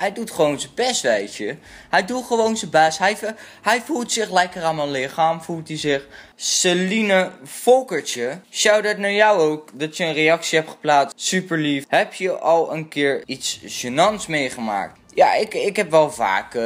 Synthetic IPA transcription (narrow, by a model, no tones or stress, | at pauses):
ɦɛjdutχəʋownzəbɛstʋɛjt͡ʃə | ɦɛjdulˠχəʋownzəbɛstɦɛjɦɛjvulˠtsɪχlɛjkəraːnmənlɪχaːmvulˠtizɪχselinəfɔlˠkəɹt͡ʃəsawdɔtnaːɹjawowkdɑtjəənrejɑksiɦɛp̚tχə̥plaːssypəɹlifɦɛpjəʔɑlˠənkɪːɹitsʃənɑnsmejχəma̰ːk̚t | ja̰ːɪkɪkɦɛpʋɛlˠva̰ːk